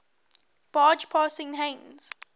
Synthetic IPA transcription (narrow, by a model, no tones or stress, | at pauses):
b̥ɑːd͡ʒpʰaːsɪ̃ŋɦẽnz̥